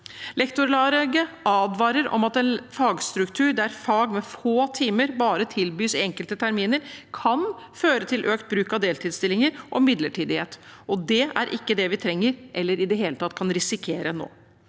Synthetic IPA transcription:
lɛkt̪ʊɾlɑːɾɛɡəʔɑːd̪ʋɑːɾəɾʔɔ̰mɑt̪ɛnfɑːɡst̪ɾʉkt̪ʰʉːɾɖ̪æɾfɑːɡmɛfoːt̪ʰiːməɾbɑːɾət̪ʰɪlbyːsɪɛŋkəlt̪ət̪ʰæɾmiːnəɾkʰɑnføːɾət̪ʰɪlʔøːkt̪̚bɾʉːkɑʋd̪eːlt̪ʰiːd̪st̪ɪlːɪŋəɾʔɔmɪd̪ləʈʰiːd̪ɪhḛːt̪ɔd̪ɛæ̰ɾʔɪkːəd̪ɛʋɪt̪ʰɾɛŋːəɾʔɛlːəɾɪd̪ɛɦeːlət̪ɑt̪ːkʰɑnɾɪsɪkʰeːɾəno̰ː

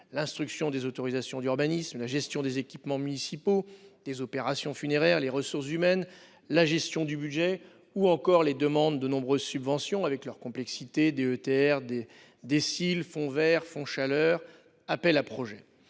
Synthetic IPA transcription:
lɛ̃st̪χyksjɔ̃d̪ezot̪ɔʁizasjɔ̃d̪yʁbanismlaʒɛst̪jɔ̃d̪ezekʲipmɑ̃mynisipod̪̥ezɔpeʁasjɔ̃fyneʁɛʁleʁəsuʁs̬zymɛn | laʒɛst̪jɔ̃d̪ybyd̪ʒɛ | uɑ̃kɔʁled̪əmɑ̃d̪ːənɔ̃bʁøzsybvɑ̃sjɔ̃avɛklœʁkɔ̃plɛksit̪ed̪eøt̪eɛʁd̪e | d̪esilfɔ̃vɛʁfɔ̃ʃalœːʁ | apɛlapχɔʒɛ

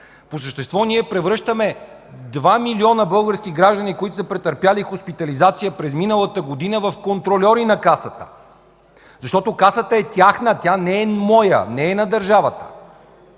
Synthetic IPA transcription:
posəʃt̪ɛst̪vɔniɛpɾɛvɾɤʃt̪əmɛ | d̪vamiliɔnəbɤlˠɡəɾsk̟iɡɾaʒd̪ənikoit̪ʊ̥səpɾɛt̪əɾpjalixospit̪ɐlizat̪sijəpɾɛzminəlˠət̪əɡod̪inəvɐfkont̪ɾolʲɔɾinɐkasət̪ə̥ | zɐʃt̪ɔt̪okasət̪əɛt̪ʲjaxnət̪ʲanɛɛmɔjə̰nɛːnɐd̪əɾʒavət̪ə̥̰

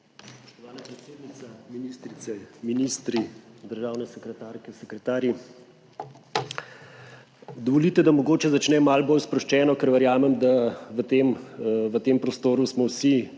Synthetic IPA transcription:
spɔ̥ʃt̪ɔʋaːnapɾɛt̪seːd̪nit̪saminist̪ɾit̪sɛminist̪ɾid̪əɾʒaːwnɛsɛkɾɛt̪aːɾkɛsɛkɾɛt̪aːɾji | d̪ɔʋɔlit̪ɛd̪amɔɡoːt͡ʃɛzat͡ʃnɛmalboːlspɾɔʃt͡ʃɛːnɔkɛɾʋɛɾjaːmɛmd̪aʋət̪emʋət̪eːmpɾɔst̪oːɾusmɔwsi

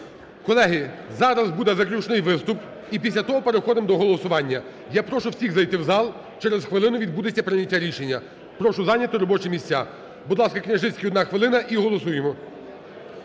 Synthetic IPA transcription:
kɔlˠɛɦɪzɑɾɐzbud̪ɛzɐklʲut͡ʃnɪjʋɪst̪ʊp | ipʲisʲlʲɐt̪ɔɦɔpeɾexɔd̪ɪmd̪ɔɦɔlˠɔsʊʋɑnʲːɐ | japɾɔʃʊwsʲiɣzɐjt̪ɪwzɑlˠ | t͡ʃɛɾezxʋɪlˠɪnʊʋʲid̪bud̪ɪt͡sʲːɐpɾɪnʲɐtʲːaɾʲiʃenʲːɐ | pɾɔʃʊzɑnʲɐt̪ʊɾɔbɔt͡ʃɛmʲisʲt͡sʲːa | bud̪lˠɑskɐknʲɐʒɪt͡sʲkʲɪɔd̪nɑxʋelˠɪnɐʔiɦɔlˠɔsujemɔ

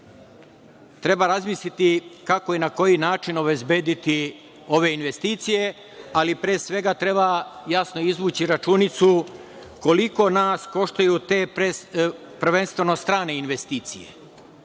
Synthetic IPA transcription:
t̪ɾe̞baɾazmislit̪ikako̞inako̞jinaːt͡ʃinobe̞zbe̞ːd̪it̪i | o̞ʋe̞inʋe̞st̪iːt̪sije̞ | alipɾeːsʋe̞ɡat̪ɾe̞bajasno̞izʋuːt͡ɕiɾat͡ʃunit̪su | ko̞liko̞naːsko̞ʃt̪ajut̪eːpɾe | pr̩ʋe̞nst̪ʋe̞no̞st̪ɾaːne̞inʋe̞st̪iːt̪sije̞̰

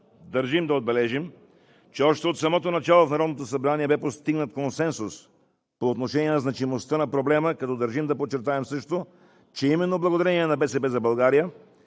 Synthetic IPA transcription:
d̪ɐɾʒimd̪ɐod̪̚bɛlɛʒim | t͡ʃɛɔʃt̪ɛot̪sɐmɔt̪onɐt͡ʃalˠofnɐɾɔd̪not̪osɐbɾaniɛbɛpost̪iɡnət̪konsɛnsus | poːt̪noʃɛniɛnɐznɐt͡ʃimost̪ənɐpɾoblɛməkɐt̪ɔd̪əɾʒimd̪ɐpot͡ʃːɛɾt̪aɛmsɤʃt̪o | t͡ʃɛimɛnːoblˠɐɡod̪ɐɾɛniɛnɐbɛsɛpɛzɐbɐlˠɡaɾijə

